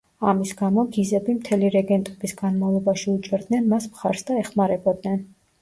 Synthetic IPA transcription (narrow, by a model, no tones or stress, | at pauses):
amisɡamɔɡizɛbimt̪ʰɛliɾɛɡɛnt̪ʼɛbisɡanmavlˠɔbaʃiut͡ʃʼɛɾd̪nɛnmasmχaɾsd̪aɛχmaɾɛbɔd̪nɛn